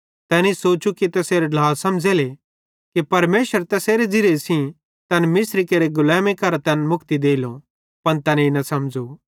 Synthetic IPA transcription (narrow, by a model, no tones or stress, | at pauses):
t̪ɛːnesoːt͡ʃukit̪ɐseːɾeɖlaːlsɐmd͡zeːle | kipɐɾmeːʃəɾt̪ɛseːɾed͡zɪɾesĩ | t̪ɛːnmɪsɾikeːɾeɡʊlɛ̃ːmikɐɾat̪ɛːnmʊkt̪id̪eːilõ | pɐnt̪ɛːneinɐsɐmd͡ʒu